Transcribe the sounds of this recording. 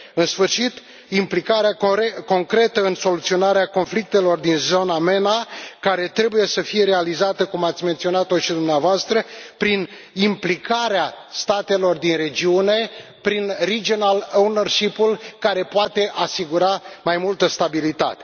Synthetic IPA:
ɨnsfɨrʃit̪ | implikaɾeaeko̞ŋkɾe̞t̪əɨnso̞lut̪sio̞naɾeako̞nflik̚t̪e̞lo̞rd̪inzo̞name̞nakaɾe̞t̪ɾe̞buje̞səfije̞ɾe̞alizat̪əkumat̪sʲment̪sio̞nat̪oʃid̪umneavoast̪ɾəpɾin | implikaɾea | st̪at̪e̞lo̞rd̪inre̞d͡ʒiune̞pɾinrid͡ʒionalonərʃipulkaɾe̞poat̪e̞ʔasiɡuɾamajmult̪əst̪abilit̪a̰t̪e

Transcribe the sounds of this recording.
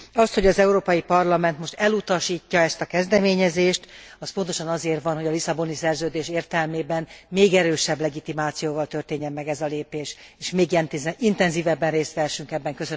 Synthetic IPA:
ɒst̪ho̞ɟɒzɛuɾoːpɒjipɒrlɒmɛnt̪mo̞ʃt̪ɛlut̪ɒʃiːcːɒɛst̪ɒkɛzd̪ɛmeːɲɛzeːʃt̪ | ɒspont̪oʃɒnɒzeːrvɒnɦo̞ɟɒlisɒbonisɛrzøːd̪eːʃeːrt̪ɛlmeːbɛnmeːɡɛɾøːʃɛblɛɡit̪imaːt̪sijoːvɒlt̪ørt̪eːɲːɛmːɛɡɛzɒleːpeːʃeːʃmeːɡ̪int̪ɛnziːvɛbːɛnreːst̪ʋɛːʃyŋkɛbːɛŋkøsø

